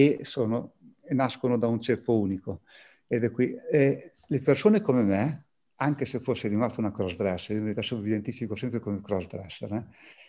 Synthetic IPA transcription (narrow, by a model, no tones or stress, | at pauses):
esoːnoenaskonod̪aunt͡ʃefouːniko | ed̪ɛkːwiɛ | lepersoːnekomeme | aŋk̟esefosːeɾimast̪ounakɾɔsd̪ɾɛsːeimt̪ɛsovid̪ent̪ifikosɛmpɾekomekɾɔsd̪ɾɛ̰sːrɛ